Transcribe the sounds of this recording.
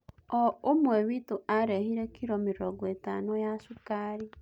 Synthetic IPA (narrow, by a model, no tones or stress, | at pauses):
ɔomwɛwitoaɾɛhiɾɛkʰiɾɔmiɾɾɔɡoetanojasukaːɾi